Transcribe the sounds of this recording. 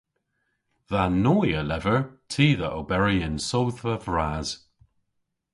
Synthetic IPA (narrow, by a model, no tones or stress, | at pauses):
ðanoːjəlɛvəɹtʰiːðəʔobɛɹiɪnsowθəvɹaːz̥